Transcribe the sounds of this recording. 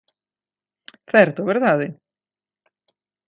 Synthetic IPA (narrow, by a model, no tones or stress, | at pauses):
θɛɾt̪ovɛɾðaːðɪ